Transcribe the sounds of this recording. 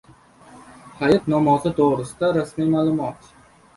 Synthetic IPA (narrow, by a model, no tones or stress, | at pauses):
hajɪt̪nɒmɒzɪt̪ʰoʁɾɪsɪd̪aɾasmijmaːlˠʊmɒt̪